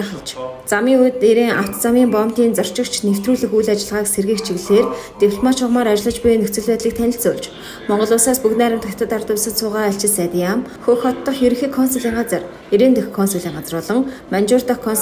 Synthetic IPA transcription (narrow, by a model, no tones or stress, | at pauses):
χə̆ɮt͡ɕt͡samiːŋut̪eɾeːŋʔa̰w̥t̪ʰt͡samiːmpɔmt̪iːnt͡sɔr̥t͡ɕɪ̆kt͡ɕʰnew̥t̪ruːɮɘ̆xujɮat͡ɕɪ̆ɮʁaːkserɣiːkt͡ɕʰiɣɮeːrt̪ewʰɮmat͡ɕʰʊʁmaːɾat͡ɕɪ̆ɮə̆t͡ɕpʊjnɵt͡sɵ̆ɮpæːt̪ɮiːk̚t̪ʰænʲɪ̆ɬt͡sʊːɮt͡ɕ | mɔɴɢɞ̆ɮʊːsaːspuknæːɾʲɪ̆m̥t̪ʰakʲt̪ʰə̆t̪art̪ʊːsə̆t̪sʊːʁaːɬt͡ɕɪ̆sat̪ʲiamxɵxɔt̪ːɞ̆χjeɾɵ̆xeːkʰːɔnseɮiːŋɢat͡sə̆r | eɾeːnt̪ɵxkʰːɔnsɔɮiːŋɢat͡sə̆rɔːɮɞ̆ŋmant͡ɕʊrt̪ɔkʰɔn